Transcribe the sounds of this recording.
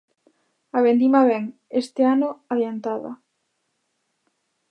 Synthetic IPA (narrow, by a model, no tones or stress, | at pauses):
aβend̪imaβɛŋest̪ɪanʊaðjant̪aðɐ̰